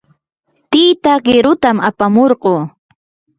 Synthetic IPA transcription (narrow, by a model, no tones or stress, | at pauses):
t̪ijt̪aɢɪɾʊt̪amapamoɾɢoː